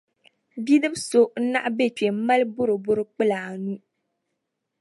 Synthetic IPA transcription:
bi˦nɨ˦m˦so˦n̩˦na̰˦ʔbe˦˨t͡ʃe˨m̩˦ma˦lbʊ˦ɾɨ˨bʊ˦ɾɨ˦k͡pɨ˦la˨nu˦

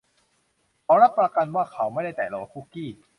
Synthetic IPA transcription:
kʰɔː˨˦˥ɾa˦˥ppːɾa˧ka˧nwaː˥˩kʰa˨˦wma˥˩jda˥˩t̪ɛː˨˩lɔ˧˩a˧˩ku˦˥˩kiː˥˩

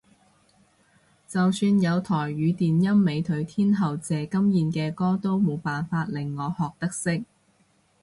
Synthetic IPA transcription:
t͡sɐ˨wsyː˧njɐ˨˧wt̪ʰɔː˨˩jɥyː˨˧t̪iː˨njɐ˥mːe˨˧jt̪ʰɵ˨˥ɥt̪ʰiː˥nɦɐ˨wt͡sɛː˨kɐ˥mjiː˨˧nkɛː˧kɔː˥t̪o˥wmo˨˧wpaː˨˩nfaː˧t̚lɪ˨˩ŋːɔː˨˧hɔː˨k̚t̪ɐ˥k̚sɪ˥k̚

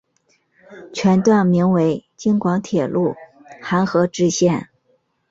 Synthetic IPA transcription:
t͡ɕʰɥɛ˧˥nt̪wa˥˩nmi˧˥ŋwe˧˥ɪt͡ɕi˥ŋkwɑ˧˥ŋt̪ʰjɛ˨˩lʔu˥˩ | xa˧˥nxɤ˧˥ʈ͡ʂɻ̩˥˧ɕjɛ˥˩n

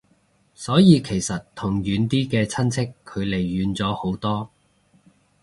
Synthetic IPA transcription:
sɔː˨˥jiː˨˧kʰe˨˩jsɐ˨tt̪ʰʊ˨˩ŋjyː˨˥nt̪iː˥kɛː˧t͡sʰɐ˥nt͡sʰɪ˥kʰːɵ˨˧ɥle˨˩jːyː˨˧nt͡sɔː˨˥ho˨˥wt̪ɔː˥

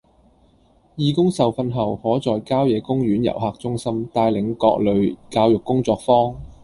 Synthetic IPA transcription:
jiː˨kʊ˥ŋsɐ˨wfɐ˧nɦɐ˨˩whɔː˨˥t͡sɔː˨jkaː˥wjɛː˨˧˥kʊ˥ŋjyː˨˥njɐ̰˨˩wɦaː˨k̚t͡sʊ˥ŋsɐ˥mt̪aː˧jlɪ˨˧ŋkɔː˧k̚lɵ˨ɥkaː˧wjʊ˨kːʊ˥ŋt͡sɔː˧k̚fɔː˥ŋ

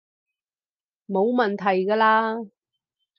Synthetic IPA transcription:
mo˨˧wmɐ˨nt̪ʰɐ˨˩jkaː˧laː˧

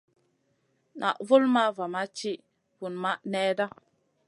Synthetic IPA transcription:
nʔa̰˨ʔvu˦lma˦va˨ma˦t͡ʃi˦ | v̥u˨nma˦ʔnɛ˦da˦

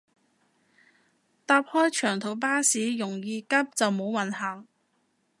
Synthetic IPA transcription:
t̪aː˧p̚hɔː˥jt͡ʃʰœː˨˩ŋt̪ʰo˨˥wp̬aː˥siː˨˥jʊ˨˩ŋjiː˨˧kɐ˥p̚t͡sɐ˨wmo˨˧˥wwɐ˨nɦɐ˨˩ŋ

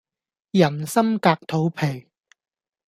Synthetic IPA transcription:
jɐ˨˩nsɐ˥mkaː˧k̚t̪ʰo˨˧˥wpʰe˨˩j

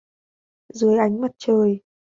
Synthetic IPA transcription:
zɨ˨˦əjʔa˨˦jŋ̟ma˨˩t̚t͡ɕəː˨˩j

